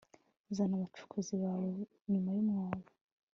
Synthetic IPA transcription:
zanaβat͡ʃu̥kʰuziβaːwo | ɲumajumŋaːla

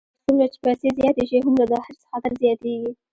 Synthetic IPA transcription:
sumɾat͡ʃɪ̥pajsezjɑt̪eʃiɦamlad̪ɑhɪɾsə̥xɑt̪ɪɾzjɑt̪eɡi

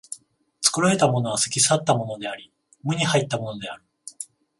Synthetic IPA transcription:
t͡sɨ̥kɯ̟ɾae̞t̪amo̞no̞β̞asɨ̥kʲis̬at̪ːamo̞no̞d̪e̞aɾʲi | mɯ̟ɲ̟ihait̪ːamo̞no̞d̪e̞aɾɯ̟̥

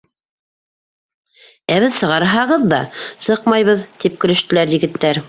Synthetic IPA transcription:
æβɘðsɤ̆ʁɑɾɦɑʁɤðːɑsɤqmɑjβɤðt̪ip̚kɵ̆lɵ̆ʃt̪ɘ̆læɾjɘ̆ɡɘ̆t̪ːæɾ

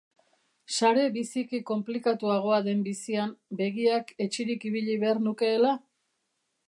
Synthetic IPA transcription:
saɾe̞βisikiko̞mplikat̪uaɣ̞o̞aðe̞mbisiambe̞ɣiake̞t͡ʃiɾikiβ̞iʎiβe̞aɾnuke̞ːla

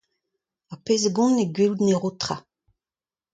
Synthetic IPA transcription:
apezɡɔ̃neɡɥild̪neʁot̪χa

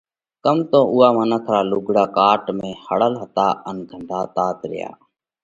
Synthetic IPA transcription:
kəmt̪õːʔuːaːmənət̪ʰɾaːluɡɽaːkaːʈmẽːhəɽəlɦət̪aːʔənɡʱəɳɖ̪ʱaːt̪aːt̪ɾɪ̰ja̰ː

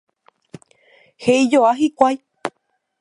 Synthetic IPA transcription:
heid͡ʒoaɦikʷaj

